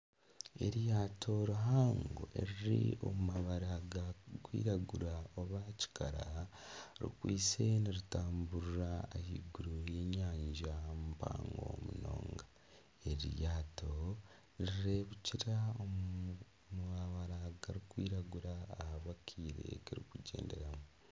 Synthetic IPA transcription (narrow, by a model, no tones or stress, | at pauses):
ḛɾjaːtʰo̞ɾuɦaːŋɡo̰ʔeɾiɾḭo̞mumaβaɾaɡakwḭːɾaɡuɾaoβaci̥kaɾa | ɾḭkwiːt͡se̞niɾitaːmbuɾuɾaehiɡuɾujeːɲaːɲɟamumpa̰ːŋɡo̞̰muno̰ːŋɡa | eɾijaːto̞ | ɾiɾe̞ːβuciɾao | muβaβaɾaɡaɾikwiːɾaɡuɾaːhaβakʰiːɾḛkiɾikuɟe̞̰ːnde̞̰ɾamu